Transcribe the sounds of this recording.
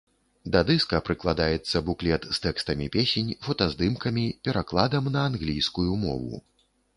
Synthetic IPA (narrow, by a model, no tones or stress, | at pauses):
d̪ɐd̪ɨskɐpɾɨklˠad̪ajɛt̪sːɐbuklʲɛt̪st̪ɛkst̪ɐmʲipʲesʲenʲfɐt̪ɐzd̪ɨmkɐmʲipʲɛɾaklˠad̪ɐmnɐːnɣlʲijskujumɔ̰vṵ